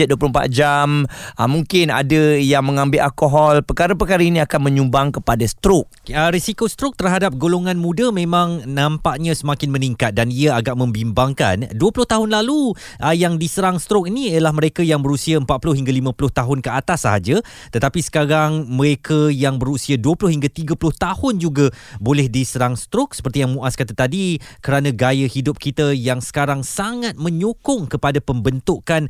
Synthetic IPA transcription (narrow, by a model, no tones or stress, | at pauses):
ət̪̚duəplompa̰t̪̚d͡ʒamʔəmuŋkɪna̰dəjaŋmə̃ŋãmbɪlalkoɦɔlpəkaɾəp̬əkaɾainĩakanmə̃ɲumbaŋkəpadast̪ɾʊk̚əɾisikost̪ɾʊk̚t̪ərɦadap̚ɡoloŋãnmũdəmẽmãŋnãmpaʔɲəsəmakɪnməniŋkat̪̚daniəaɡaʔmə̃mbimbaŋka̰nduəpulʊht̪aɦʊnlalu | əjaŋdisəɾaŋst̪ɾʊk̚iniiəlahməɾekajaŋbəɾusiaəmpat̪̚pulʊhiŋɡalimãpulʊht̪aɦʊnkəat̪asːaɦad͡ʒə | t̪ət̪apisə̥kaɾaŋməɾekʰajaŋbəɾusiaduəpulʊhiŋɡat̪iɡəpulʊht̪ahʊnd͡ʒuɡabolɛhdisəɾaŋst̪ɾʊk̚sə̥pərt̪ijaŋmũʔaskat̪at̪adikəɾanãɡajəhidʊp̚kit̪əjaŋsə̥kaɾaŋsaŋat̪̚mə̃ɲukʊŋkəpadapəmbənt̪ʊkan